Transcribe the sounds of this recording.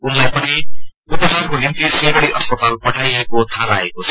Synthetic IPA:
unlajpʌni | upʌsaɾkonimt̪isebʌɽiʔʌspʌt̪alpʌʈʰajekot̪ʰaɾaekot͡sʰʌ

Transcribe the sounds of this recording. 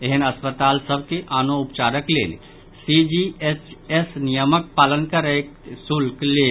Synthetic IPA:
eɦənəspət̪aːlsəbʱkeʔaːnoʊpt͡ʃaːɾəklḛːlḭ | sid͡ʒiet͡ʃesnijəmək̚paːlənkəɾəeksulkleː

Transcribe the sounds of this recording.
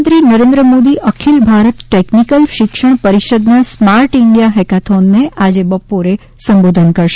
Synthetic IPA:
nt̪ɾinəɾẽnd̪ɾəmod̪iʔʔəkʰilbʱaɾət̪ʈeknikəlʃɪkʃəɳpəɾiʃəd̪nasmaɾʈɪɳɖijaɦɛkat̪ʰonːeʔad͡ʒebəpoɾe | səmbod̪ʱənkəɾʃ

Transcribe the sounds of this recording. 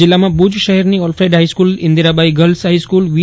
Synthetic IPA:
ɪlːamãbud͡ʒʃəɦɛɾniɔlfʰɾeɖɦaiskulɪ̃nd̪iɾabaiɡəlsɦaiskulʋi

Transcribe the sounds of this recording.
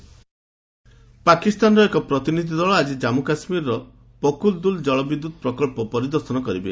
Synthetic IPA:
pakist̪anɔɾɔekɔpɾɔt̪inid̪ʱid̪ʱɔɭɔad͡ʒid͡ʒamukasmiɾɾɔ | pɔkuld̪uld͡ʒɔɭɔbid̪ːud̪̚ʱɔpɾɔkɔlpɔpɔɾid̪ɔɾsɔnɔkɔɾibe

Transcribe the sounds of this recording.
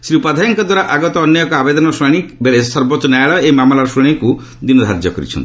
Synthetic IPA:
sɾiupad̪ʱajɔŋkɔd̪waɾaʔaɡɔt̪ɔɔnjɔjɔkɔabed̪ɔnɔsɔjɽ̃ikbeɭesɔɾbotːɔnajɭɔemamlaɾɔsũiku | d̪inɔd̪ʱaɾd͡ʒjɔkɔɾḭt͡ʃʰɔ̰nt̪i̥

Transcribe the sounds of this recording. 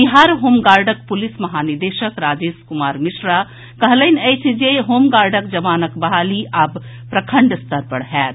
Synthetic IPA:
biɦaːɾɦoːmɡaːɾɖək̚pulismɐɦaːniɾd̪eʃəkɾaːd͡ʒeːskumaːɾmiʃɾa | kəɦlənəjt͡ʃʰd͡ʒeɦoːmɡaːɾɖəkd͡ʒɐʋaːnəkbɐɦaːliʔab | pɾɐkʰəɳɖst̪əɾpəɽɦɛːt̪

